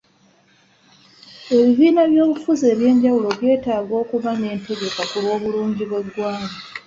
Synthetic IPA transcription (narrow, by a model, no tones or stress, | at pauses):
e̞βiβiːnaβjo̞ːβufuze̞ːβje̞ːɲɟawulo̞βje̞ːtaːɡo̞ːkuβane̞ːnte̞ɡe̞kakulwo̞ːβuluːɲɟiβwe̞dwaːŋa